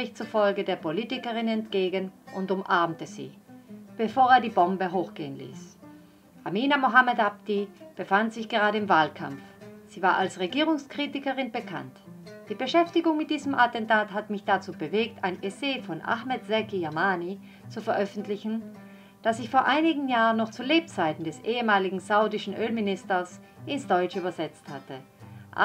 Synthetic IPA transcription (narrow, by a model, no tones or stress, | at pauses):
ʁɪçt͡sufɔlɡədeːɐpoliːtɪkəʁɪnɛntɡ̥eːɡənʔʊntʊmʔaɐmtəz̥ḭːb̥əfoːɐeːɐdiːbɔmbəɦoːxɡ̥eːənlḭːs | ʔamiːnamoɦamɛtap̚tib̥əfantz̥ɪçɡ̥əʁaːɾəɪmvaːlkʰa̰mfz̥iːvaːɐʔalsʁeɡiːʁʊŋskʁ̥iːtɪkəʁɪnbəkʰa̰ntd̥iːbəʃɛftɪɡʊŋmɪt̚d̥iːzəmʔatɛntaːthatəmɪçd̥at͡suːbəveːktaɪnʔeseːfɔnʔa̰xmɛtz̥ɛkijamaːni | t͡sufɛɐʔœfn̩tlɪçn̩ | d̥asɪçfoːɐʔaɪnɪɡŋ̩jaːʁənːɔχt͡suːleːp̚t͡saɪtn̩dɛsʔeːəmaːlɪɡŋ̩zaʊdɪʃn̩ʔøːlmɪnɪstɐs | ʔɪnsd̥ɔʏt͡ʃəyːbɐzɛt͡sthatə | ʔa̰